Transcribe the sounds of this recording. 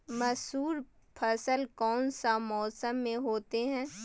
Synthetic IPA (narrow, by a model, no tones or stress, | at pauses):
mɐsuːɾ | pʰɐsəlkɔːnsamɔːsəmːẽɦoːt̪eɦɛ̃ː